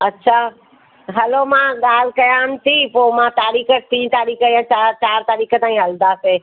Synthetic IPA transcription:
ɐtːɕʰaː | ɦɐlomãɠaːl̤ɪkɐjãnɪ̆t̪ʰiːpoːmãt̪aːɾiːkət̪ĩːt̪aːɾiːkəjãt͡ɕaːt͡ɕaːɾt̪aːɾiːkə̆t̪aːĩɦɐlnd̪aːseː

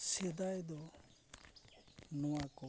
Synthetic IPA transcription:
sɛd̪ajd̪ɔ | nɔwakɔ

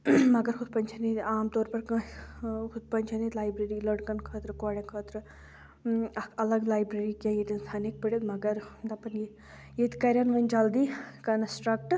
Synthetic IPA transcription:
mɐɡɐɾxʰʊd̪̚pɐnt͡ʃʰɐnit̪aːmt̪oːɾpɐɾkɐ̃ | xʊd̪pɐnʲt͡ʃʰɐneːt̪laːjbɾeːɾilɐɽkɐnkʰɐːt̪ɾkaːɽẽkʰɐːt̪ɾɨ | ɐɐlɐɡlaːjbɾeɾikajet̪inst̪ʰaːnek̚pɐɽʲed̪mɐɡɐɾd̪ɐpɐnje | jet̪kɐɾʲɐnʋɐnʲd͡ʒɐld̪iːkɐnɐsʈɾɐk̚ʈ

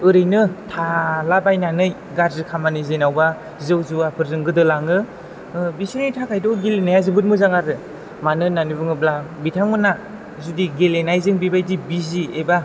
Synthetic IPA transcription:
ɯɾɯjnɯtʰalabajnanɯj | ɡaɾzɯkʰamanɯzenawba | zɯwzuapʰɯɾzɯŋɡɯdɯlaŋɯ | bisinɯjtʰakʰajdɔɡilenajazɯbɯt̚mɯzaŋaɾɯ | manɯnanibɯŋɯblabitʰaŋɯna | zudiɡelenajzɯŋbibajdibizieba

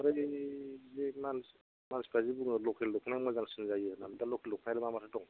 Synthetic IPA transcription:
aɾe | zemans | mansbʰazibuŋlɔkʰellɔkʰnajmazansinzajɯnamdalɔkʰelːɔkʰnajɾɯmamasʰatɔŋ

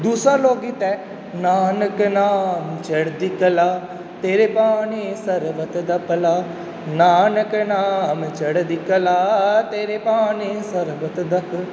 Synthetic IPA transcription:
d̪uːsaloːɡit̪ɛ | naːnəknaːmt͡ʃɐɽd̪ikəlaː | t̪eːɾepaːnisɐɾʋət̪d̪ɐpəlaː | naːnəknaːmt͡ʃəɽd̪ɪkəlaːt̪eːɾepaːnisɐɾʋət̪d̪ɐk

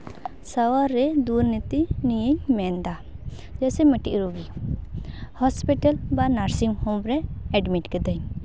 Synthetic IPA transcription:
sawaɾːɛd̪uɾnit̪inijəɲmɛnd̪a | d͡ʒɛsɛmɛʈiʔɾubi | hɔspiʈalbanaɾsimhɔ̃mɾɛɛɖmiʈkɛd̪əɲ

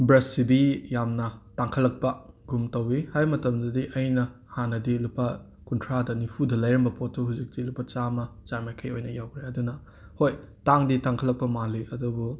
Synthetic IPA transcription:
bɾɐsːidijamnɐtaŋkʰɐlːɐk̚pɐɡumtɐwihajmɐtɐmdɐdiʔɐjnɐ | hanɐdilupʰɐ | kuntʰɾadɐnipʰudɐlɐjɾɐmbɐpotʰːuɦuzik̚dilupːɐt͡ʃamɐt͡ʃamajkʰɐjojnɐjawkʰɾeɐdunɐ | hojtaŋditaŋkʰɐlːɐk̚pɐmaliɐdubu

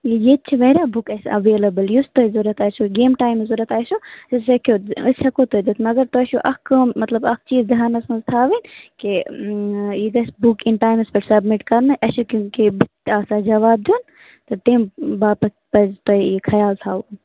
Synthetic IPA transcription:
ijeːt̪̚t͡ʃʰiʋɐɾaːbukɐsɐ̰ʋeːlɐbəljust̪oizuɾɐt̪aːsuɡeːmʈaːjmzuɾɐt̪aːjsusɐsɐkʰoɐɐkot̪od̪it̪ʰnɐɡɐɾt̪osuʔɐkmɐt̪lɐbɐk̚ʰt͡ʃiːzd̪iɦaːnɐsmɐzt̪ʰaːʋinke | iɡɐsbukinʈaːjmspɐʈsɐbmiʈkɐɾnɨʔɐsukũkibuk̚t̪aːsaːd͡ʒɐʋaːb̚d̪un | t̪ɐt̪embaːpɐ | pɐzt̪oikʰɐjaːlt̪ʰaːʋun

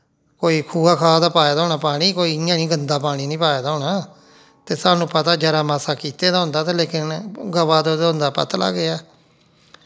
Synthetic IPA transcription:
koːiːkʰuːaːkʰaːd̪aːpaːeːd̪aːɦoːnaːpaːɽ̃iːkoːiːjãːnĩːɡənd̪aːpaːɽ̃iːnĩːpaːeːd̪aːɦoːnaː | t̪eːsaːnũːpət̪aːd͡ʒəɾaːmaːsaːkiːt̪eːd̪aːɦʊnd̪aːt̪aːleːkɪnɡəʋaːd̪od̪ɦʊnd̪aːpə̰t̪la̰ːɡɪaː

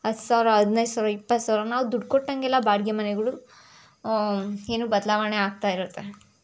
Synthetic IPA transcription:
ɦɐt̪saːʋɾɐɦɐd̪ʱinɐjsaːʋɾɐipːɐt̪ːsaːʋɾɐnaːʋud̪uɖkoʈːɐŋɡɛlːabaːɽɡjɐmɐnɛɡɐɭu | eːnuːbɐd̪laːʋɐneaːɡ̚t̪aːjiɾut̪ːe

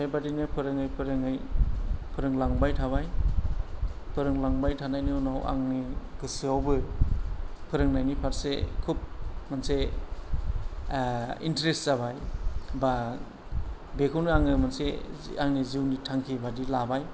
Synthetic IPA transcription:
sajbadinɯpʰɯɾɯŋɯjpʰɯɾɯŋɯj | pʰɯɾɯŋlaŋbajtʰaβaj | pʰɯɾɯŋlaŋbajtʰanajnɯnawa̰ŋniɡ̥ɯsɯawbɯ | pʰɯɾɯŋnajnipʰaɾsḛkʰup̚manse | inteɾestzabajba | bekʰɯwnɯaŋɯmanseaŋniziwnitʰaŋkʰibadilabaj

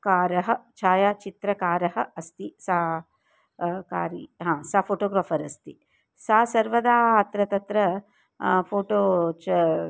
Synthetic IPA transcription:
kaːɾɐɦɐ̆t͡ʃʰaːjaːt͡ʃit̪ɾɐkaːɾɐɦɐ̆ɐst̪isaː | ka̰ːɾiɦãːsaːpʰoːʈoːɡɾaːpʰɐɾɐst̪i | saːsɐɾʋɐd̪aːɐt̪ɾɐt̪ɐt̪ɾɐ | pʰoːʈoːt͡ʃɐ

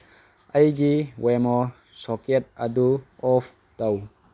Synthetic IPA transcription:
ɐjɡiwemɔ | sɔket̚aduɔpʰ | taw

